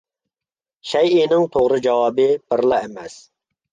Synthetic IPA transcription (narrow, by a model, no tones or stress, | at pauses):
ʃɛjɪnɪŋt̪ʰoʁɾɨd͡ʒɑwɑːbɨbɪɾlˠɑɛmɛs